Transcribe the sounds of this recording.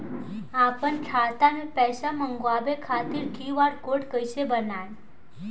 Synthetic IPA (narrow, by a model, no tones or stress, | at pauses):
apəɳʈʰat̪anepɛsaməŋɡoabekʰat̪iːɾʈʰiʋaɽkoʈkəjsebənaj